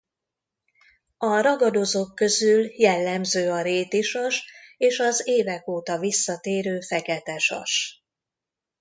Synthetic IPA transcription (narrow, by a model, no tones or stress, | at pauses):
ɒɾɒɡɒd̪o̞zokːø̞zyljɛlːɛmzøːɒɾeːt̪iʃɒʃeːʃɒzeːvɛkoːt̪ɒvisːɒt̪eːɾøːfɛkɛt̪ɛʃɒ̰ʃ